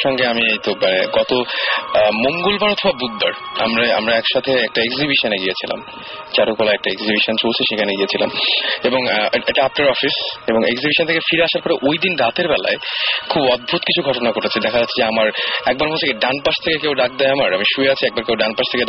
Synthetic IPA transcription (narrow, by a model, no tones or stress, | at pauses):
ʃɔŋɡeamiejt̪omanḛɡɔt̪o | moŋɡolbaɾɔt̪ʰobabud̪̚ba̰ɾ | a̰mɾaa̰mɾaɛkʃat̪ʰeɛk̚ʈaekzibiʃoneɡijet͡ɕʰila̰m | t͡ɕaɾukɔlaɛk̚ʈaeɡzibiʃont͡ɕolt͡ɕʰeʃekʰaneɡiet͡ɕʰila̰meboŋeʈaap̚ʈaɾɔfiseboŋḛkzibiʃõnt̪ʰekefiɾeaʃaɾpɔɾeʔojd̪inɖat̪eɾbɛla̰ekʰubɔd̪̚bʱut̪kit͡ɕʰuɡʱɔʈonakoʈʰet͡ɕʰid̪ɛkʰad͡ʑat̪ːʰid͡ʑeamaɾɛk̚baɾmoekeɖanpast̪ʰekekewɖak̚d̪ɛjamaɾamiʃueat͡ɕʰiɛk̚baɾkewɖanpaʃt̪ʰeke